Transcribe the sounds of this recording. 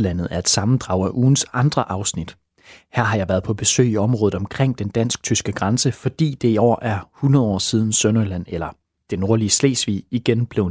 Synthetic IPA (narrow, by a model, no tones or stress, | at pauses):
læn̰ð̩ˠæɐe̝d̥sɑ̈mn̩d̥ʁɑ̈ʊ̰æʔuːn̩sɑ̈nd̥ʁɐʔɑ̈ʊsnid̥ | hæɐ̰ɦɑ̈jɑ̈ɪʋæːɐð̞̩ˠpʰɒ̽b̥e̝sø̰ːiɒ̽mʁɔːð̩ˠɒ̽mkʰʁeŋ̰d̥end̥æn̰sɡ̥̚t͡sʰysɡ̥əɡ̥ʁɑnsəfɒ̽d̥ḭːd̥e̝iɒ̰ːʔæɐhunʁɐðˠɒ̰ːsiːð̞ˠn̩sønɐlæn̰elɐ | d̥e̝no̝ɐliəslḛːsʋḭːiɡ̥enb̥le̝ʊ